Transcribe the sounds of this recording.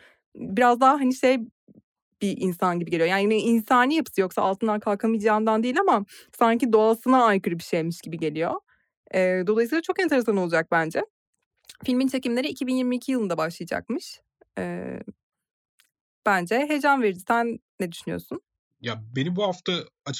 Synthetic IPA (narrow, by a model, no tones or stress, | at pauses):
biɾazd̪aɦaɦaniʃej | b̥iʔinsanɟibiɟelʲio̞jananiinsaːnʲijapʰɯ̥sɯjo̞ksaa̰lˠt̪ʰɯnd̪ankʰalˠkʰamɯjd͡ʒaːnd̪and̪ijːlʲamasaɲcid̪o̞asɯnaːjkɯɾɯbiʃejmiʃɟ̥ibiɟe̞lʲijo̞̰ | ɯːd̪o̞lˠajsiːlˠat͡ʃʰo̞kɛnt̪ʰeɾe̞sano̞lˠad͡ʒak̚bænd͡ʒɛ | filʲmint͡ʃʰe̞cimlʲe̞ɾiːcʰibinjiɾmiːcʰijɯlˠɯnd̪abaʃlˠajad͡ʒa̰k̚mɯʃ | ɛ̰ː | b̥ænd͡ʒɛɦe̞d͡ʒanveɾd̪it̪ʰænːɛd̪yʃynyjo̰sun | jabenibuhaft̪ʰaat͡ʃʰ